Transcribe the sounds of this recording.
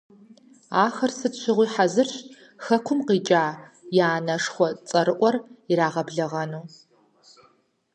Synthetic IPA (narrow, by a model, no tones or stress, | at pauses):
aːxɐrsɨtɕʷʰɪʁʷiːħazɨrɕ | xɐkʷʰʊmqiːt͡ʃʼaː | jaːnɐʂxʷɔt͡sʼɐɾɨʔʷɔriɾaːʁɐbɮɐʁɐnuː